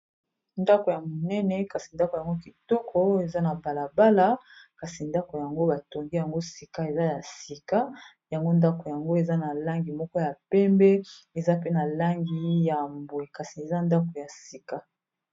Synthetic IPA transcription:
nda˦ko˨ja˨mo˨nɛ˦nɛ˨ka˨si˨nda˦ko˨ja˨ŋɡo˦ki˨tɔ˦kʰɔ˦e˨za˦na˨ba˨la˨ba˦la˦ka˨si˨nda˦ko˨ja˨ŋɡo˦ba˨to˨ŋɡi˦ja˨ŋɡo˦si˨ka˦e˨za˦ja˨si˨ka˦ | ja˨ŋɡo˦nda˦ko˨ja˨ŋɡo˦e˨za˦na˨la˦ŋɡi˨mɔ˦kɔ˦ja˨pɛ˦mbɛ˦e˨za˦pe˦na˨la˦ŋɡi˨ja˨mbwe˨ka˨si˨e˨za˦nda˦ko˨ja˨si˨ka˦

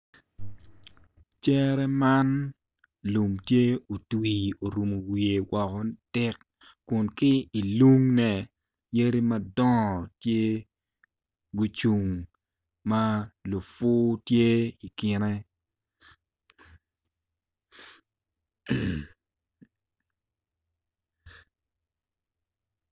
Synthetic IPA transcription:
t͡ʃɛ˦ɾɛ˦ma˦n | lu˨mtje˦o˨twi˨o˨ɾu˨mo˨wi˨e˨wɔ˨kɔ˨tɪ˦kː | ʊ˨nkɪ˦i˨lu˦ŋnɛ˨ | je˦ɾi˦mɐ˦dɔ˦˨tje˦ | ɡu˨t͡ʃu˨ŋ | ma˦lu˨fʊ˦tje˦i˨kɪ˨nɛ˦

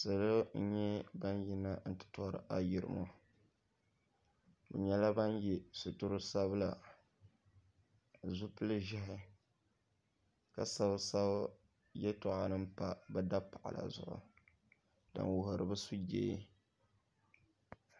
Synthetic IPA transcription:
sɨ˨lɨ˦n̩˦ɲɛ˦ba˦nji˦nːa˦n̩˦tɨ̥˨tɔ˦ɾɨ̰˨˦ʔa˦ji˨ɾɨ̰˨mo˦ | bɨ̰˨ɲɛ˦la˦ba˦njɛ˨sʊ˨tʊ˦ɾɨ˦sa˦bla˨ | zu˦pɨ˦lɨ˦ʒɪ˦ɦɪ˨ | ka˨sa˦bsa˦b | jɛ˦tɔ˨ʔa˨nɨ˦m̩˦pa˦bɛ˦da˦pa˨ʔa̰˨la̰˨zʊ̰˨ʔʊ̰˨ | d̥a̰˨nwʊ˨hʊ˨ɾɨ˨bɨ˦su˦d͡ʒḛː˦

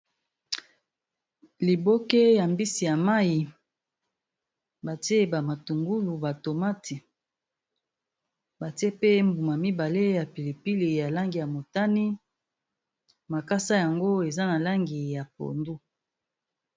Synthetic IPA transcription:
li˨bo˦ke˦ja˨mbi˦si˨ja˨ma˦ji˨ | ba˨ti˦e˦˨ba˨ma˨tu˨ŋɡu˦lu˨ba˨to˨ma˦tʰi˨ | ba˨ti˦e˦pe˦mbu˨ma˨mi˦ba˨le˦ja˨pi˨li˨pi˦li˨ja˨la˦ŋɡi˨ja˨mo˨ta˦ni˦ | ma˨ka˦sa˦ja˨ŋɡo˦e˨za˦na˨la˦ŋɡi˨ja˨p̚o̰˨ndu˦

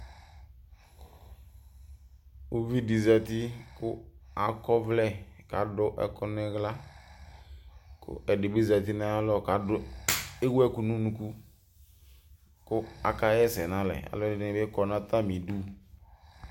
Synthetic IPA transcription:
o˦vi˦di˨zɛ˨t̪ɪ˦kʊ˦a˨kɔ˦vlɛ˦ka˨dʊ˦ʔɛ̰˨kʊ˦nɪ˦ɣla˦ | kʰʊ̰˦ɛ˨dɪ˨bɪ˦za˨t̪ɪ˦na˦a˦lɔ˦˨ka˨˦dʊ˦e˦wu˦ɛ˦ku˦nũ˦nũ˨ku˦ | kʊ˦a̰˨ka˦jɛ˦sɛ˨nã˦lɛ̰˨a̰˨lɔ˦˨ɪ˨˦nɪ̃˨be˦kɔ˨nã˦t̪a˦mĩ˨du˦

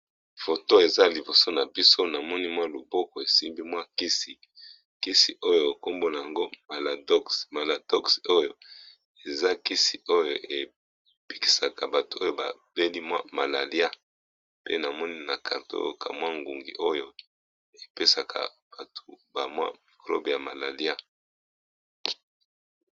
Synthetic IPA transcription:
fo˨to˦e˨za˦li˨bo˨so˦na˨bi˦so˦na˨mɔ˦ni˦mwa˦lu˨bɔ˦kɔ˨e˨si˦mbi˦mwa˦ki˦si˨ | ki˦si˨ʔo˦jo˨e˨ko˦mbo˦na˨ja˨ŋɡo˦ma˨la˨do˦ksma˨la˨dɔ˦kso˦jo˨ | e˨za˦ki˦si˨o˦jo˨ʔe˨ | pi˦ki̥˨sa˨ka˨ba˨to̥˨o˦jo˦˨ba̰˨b̥e˦li˦mwa̰˦ma˨la˨li˦a˦ | pḛ˦na˨mɔ˦ni˦na˨kʰa˨ʁto̰˦jo˨ka̰˨mwa˦ŋɡu˨ŋɡi˨ʔo˦jo˨ | e˨pe˦sa˨kʰa̰˨ | b̥a˨tʰo˨ba˨mwa̰˦mi˨klo̰˦bja˨ma˨la˨li˦a˦

